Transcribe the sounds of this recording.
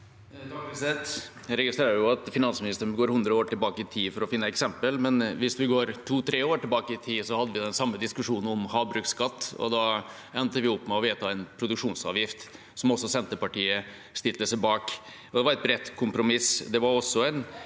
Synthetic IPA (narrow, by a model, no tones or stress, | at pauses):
d̪ɑːɡɪsɛt̪ | ɾɛɡɪst̪ɾeːɾəjʊɑt̪fɪnɑnsmɪnɪst̪əɾənɡoːɾhʉnd̪ɾəoːʈɪlbɑːkəɪt̪ʰiːfɔɾɔfɪnːəɛksɛmpəlmɛnʋɪsʋɪɡoːɾt̪ʰuːt̪ʰɾeːoːʈɪlbɑːkəɪt̪ʰiːsɔhɑd̪ːəʋɪd̪ɛnsɑmːəd̪ɪskʉʂuːnən̩ɔmhɑːbɾʉːkskɑt̪ːɔ̰d̪ɑ | ɛnt̪əʋɪɔpːmɛɔʋeːt̪ʰɑɛnpʰɾʊd̪ʉkʂuːnsɑ̰ːʋjɪft̪ | sɔmɔsːɔsɛnt̪əpɑʈiːə | st̪ɪt̪əsəbɑːk | ɔd̪ɛʋɑɾɛt̪̚bɾɛt̪ːkʰʊmpɾʊmɪsd̪ɛʋɑɾɔsːɔæɪn